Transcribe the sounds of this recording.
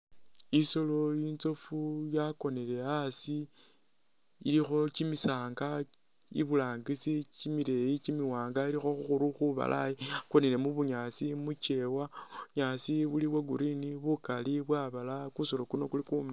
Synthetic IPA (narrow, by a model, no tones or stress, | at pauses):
iso̞lo̞int͡so̞fujako̞ne̞le̞asi | ilixo̞t͡ʃimisaːŋɡa | ḭβulaːŋɡisit͡ʃimiɾe̞jit͡ʃimiwaːŋɡailixo̞xuxuɾuxuβa̰lʔa̰jiako̞nele̞muβuɲat͡simut͡ʃe̞waɲasiβuliβwaɡuɾiniβukaliβwaβalakuso̞lo̞kuno̞kulikuma